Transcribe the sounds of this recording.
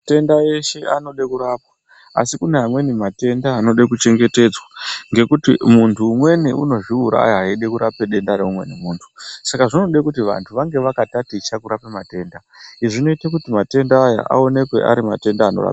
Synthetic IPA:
ate̞ndaje̞ʃe̞ano̞ɗekuɾaːpwa | a̰sikune̞ɦamwe̞nimate̞ndaːno̞ɗekut͡ʃe̞ŋɡe̞te̞ːd͡zwaŋɡe̞kutimuntʰuːmwe̞niʔṵno̞ʐiuɾa̰ːjaɦaiɗekuɾapeɗe̞ndaɾeumwe̞̰nimuːntʰu̥sakaʐino̞ɗekutiʋa̰ntʰuʋaŋɡe̞ʋakatatit͡ʃakuɾapemate̞ːnda | iʐino̞itek̬utimate̞ndaːja̰ʔa̰o̞ne̞kwe̞̰ʔa̰ɾimate̞ndaːnora̰pa

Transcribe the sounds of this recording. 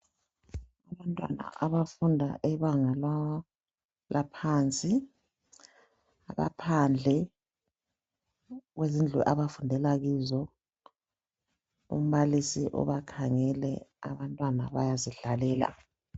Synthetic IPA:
aβantʼwa̰na̰ʔaβafundʱa̰ʔɛβaŋal | lapʰant͡sʼi | a̰βa̰pʰand͡ɮʱɛ | ɣwezind͡ɮʱɛʔaβafundʱɛlaɣizɔ | ṵm̩βalisiʔɔ̰βakʰaŋɛlɛ̰a̰βantʼwana̰βa̰jaziɮalɛːla̰

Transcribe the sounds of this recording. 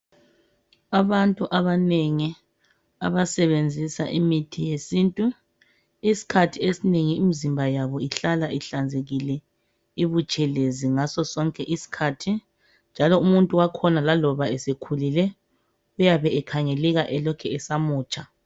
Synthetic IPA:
aβantʼuʔaβaneŋi | a̰βasɛβend͡zʱisa̰ʔimitʰijesiːntʼu | isi̥kʰatʰiesineŋiːmizimbʱajaβɔiɬalaʔiɬand͡zʱeɣilɛ | iβut͡ʃʼɛleziŋasɔsɔŋkʼɛʔisi̥kʰaːtʰi | nd͡ʒʱalɔumuntʼuwakʰɔnalalɔβaɛsekʰulilɛ | ujaβɛɛkʰaŋelɛɣaʔɛlɔkʰɛɛsamuːt͡ʃʼa

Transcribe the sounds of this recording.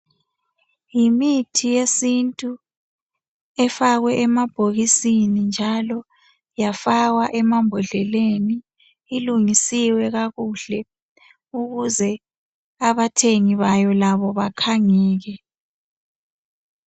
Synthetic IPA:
jimitʰijesintʼu | ɛfaɣwɛʔɛmab̥ʱoɣisinind͡ʒʱalɔ | jafaɣwaʔɛmambʱɔɮɛleniː | luŋisiwɛɣaɣuɮ̥ɛ | uɣuzɛ | aβatʰeŋiβajɔlaβɔβakʰaŋɛːɣɛ

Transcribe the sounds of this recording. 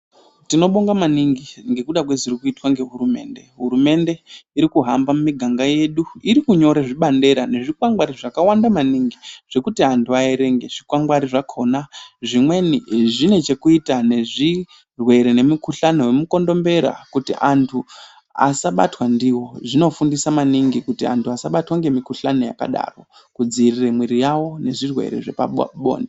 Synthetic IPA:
tino̞ɓoŋɡamaniŋɡiŋɡe̞kuɗak̬we̞ziɾikuitwaŋɡe̞ɦuɾume̞̰ːnde̞ɦuɾume̞ndeiɾikuɦambamumiɡʱaŋɡaje̞ɗuiɾikuɲo̞ɾeʐiɓande̞ɾane̞ʐikwaŋɡwaɾiʐakawandamaniŋɡiʐ̥e̞kutiantʰuaeɾe̞ŋɡe̞ʐ̥ikwaŋɡwaɾiʐakʰo̞naʐimwe̞niʐine̞t͡ʃe̞kuitane̞ʐi | rwe̞ɾene̞mukuɬanewemuko̞ndo̞mbe̞ɾa̰kutiʔantʰu | a̰saɓa̰twandiwo̞ʐino̞fundisamaniŋɡikutia̰ntʰuasaɓatwaŋɡe̞mikuɬaneja̰ka̰ɗa̰ro̞ | kud͡ziriremwiɾijawo̞ne̞ʐirwe̞̰ɾe̞̰ʐe̞̰pa̰ɓo̰ːnde

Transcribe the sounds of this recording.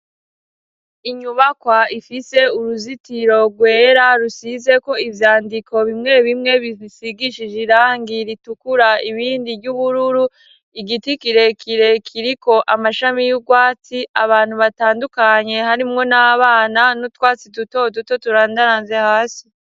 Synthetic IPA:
iɲuβakwaifise̞uɾuzitiɾo̞ɡwe̞ːɾaɾusize̞ko̞ivjaːndikʰo̞βimŋe̞βimŋe̞βiisiɡiʃiʒiɾaːŋɡiɾitukuɾaiβiːndiɟuβuɾuɾu | iɡitikiɾe̞kʰiɾe̞kʰiɾiko̞ʔamaʃamijuɡwaːt͡siaβaːn̥huβataːndukaɲe̞haɾimŋo̞naːβaːnanotwaːt͡siduto̞duto̞tuɾaːndaɾaːnze̞haːsi̥

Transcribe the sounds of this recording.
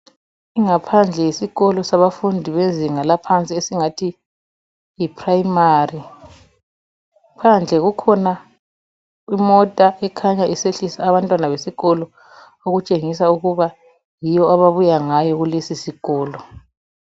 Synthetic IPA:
iŋapʰand͡ɮʱɛjesiɣɔlɔsaβafundʱiβeziŋalapʰant͡sʼiesiŋatʰi | jipʰrajimari | pʰand͡ɮʱɛɣukʰɔna | imɔtʼaʔɛkʰaɲaiseɬisaːβantʼwanaβesiɣɔlɔ | oɣut͡ʃʼeŋisauɣuβa | jijɔaβaβujaŋajɔɣulesisiɣɔːlɔ

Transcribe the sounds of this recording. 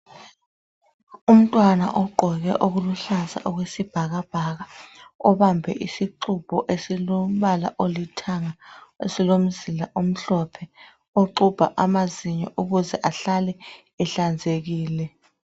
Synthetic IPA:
um̩tʼwana̰ʔɔɡ͡ǃʱɔɣ̬ɛ̰ʔoɣuluɬaza̰ʔɔk̬wesib̥ʱaɣ̬ab̥ʱakaɔɓambʱɛ̰ʔisiǃub̥ʱɔʔesiloɓala̰ʔolitʰaŋaesilom̩zilaʔom̩ɬɔpʰɛ | oǃub̥ʱa̰ʔamaziɲɔ̰ʔuɣuzɛʔaɬalɛ | ɛɬand͡zʱek̬iːlɛ

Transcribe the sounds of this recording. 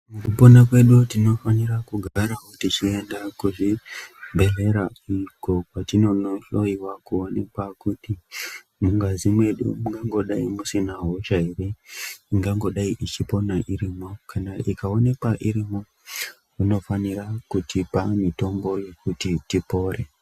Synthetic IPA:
mukupo̞nakwe̞ɗutino̞fanirakuɡʱaɾaɦotit͡ʃie̞ndakuʐimbʱe̞ɮe̞ɾaiko̞kwatino̞noʃo̞iwakuone̞kwakuti | muŋɡazimwe̞ɗṵmuŋɡaŋɡo̞ɗaimusinaɦot͡ʃaireiŋɡaŋɡo̞ɗaiʔit͡ʃipo̞naʔiɾimo̞kanaʔikao̞ne̞kwaʔiɾimo̞ | kuno̞fanirakutʰipamito̞mbo̞je̞kutitipo̞ːre

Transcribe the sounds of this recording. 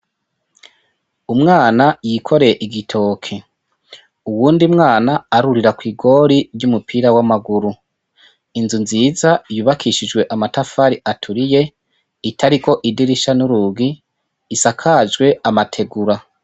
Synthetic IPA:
umŋaːnajiːkʰo̞ɾeeʔiɡitʰo̞ːkʰe | uwuːndimŋaːnaːɾuɾiɾakwiːɡo̞ɾiɾɟumupʰiːɾawamaɡuɾu | inzunziːzajuːβakʰiʃid͡ʒɡwe̞ʔamatafaɾiʔatʰuɾije̞ | itʰaɾiko̞ʔidiɾiʃanuɾuɡiː | sakʰad͡ʒɡwe̞amatʰe̞ɡuɾa

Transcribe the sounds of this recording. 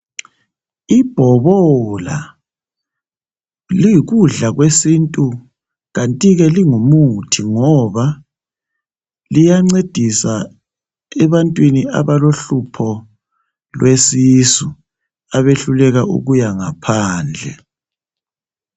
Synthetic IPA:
ib̥ʱɔβɔla̰ | liɣuɮaɣwesintʼu | ɣantʼiɣɛliŋumutʰiŋɔβa | lijaŋ͡ǀed̥ʱisa | ɛβantʼwinia̰βaloɬupʰɔ | lwesisu | aβeɬulɛɣaʔṵɣujaŋapʰaːnd͡ɮʱɛ̰

